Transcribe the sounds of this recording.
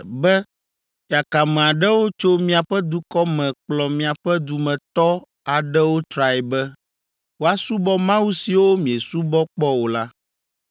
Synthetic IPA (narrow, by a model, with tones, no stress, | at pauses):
bɛ˦ | ja˨ka˨mɛ̃˨a˨ɖɛ˦wo˦t͡ʃo˦mĩ˦a˨ɸɛ˦d̪u˦kɔ˦mɛ̃˨k͡plɔ˨mĩ˨a˨ɸɛ˦d̪u˨mɛ̃˨t̪ɔ˦ | a˨ɖɛ˦wo˦t̪ɾa˨ɛ˨bɛ˦ | wo˦a˦su˦bɔ˦mã˦wu˦si˨wo˦mĩ˨e˨su˦bɔ˦k͡pɔ˦wo˨la˦